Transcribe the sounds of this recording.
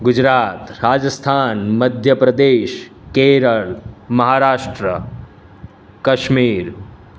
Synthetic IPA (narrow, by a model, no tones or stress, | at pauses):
ɡʊd͡ʒɾaːt̪ɾaːd͡ʒəst̪ʰaːnmɐd̪ʱjəpɾɐd̪eːʃkeːɾəɭmɐɦaːɾaːʃʈɾə | kɐʃmiːɾ